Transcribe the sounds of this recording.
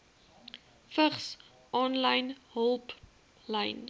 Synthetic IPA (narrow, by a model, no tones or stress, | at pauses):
fəχs | ʔɔnlɐjnɦəlˠp | lɛjn